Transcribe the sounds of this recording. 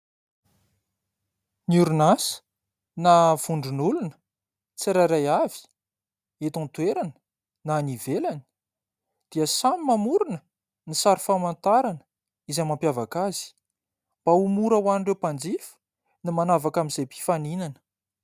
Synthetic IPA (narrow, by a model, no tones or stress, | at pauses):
nuɾunasi̥ | nav̥uɳɖ͡ʐunulunə̥ | t͡siɾaɾajavi̥ | et̪ɔ̃nt̪weɾanə̥ | nanivelani̥ | d̪̥iəsamimamuɾunə | nisaɾifamant̪aɾanə | izamampjavakaz̥i̥ | b̥aumuɾəwanɳɖ͡ʐewpand͡zifi̥ | nimanavakamizejpi̥faninanə̥